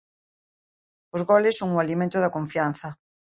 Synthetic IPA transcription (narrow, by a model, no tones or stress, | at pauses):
ʊzɣɔlɪsːoŋʊalimẽnt̪ʊðɐkoɱfian̟θɐ